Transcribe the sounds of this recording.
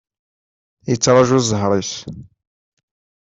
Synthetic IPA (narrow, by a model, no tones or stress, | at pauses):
jət͡sːɾˤɑʒuzəɦɾˤis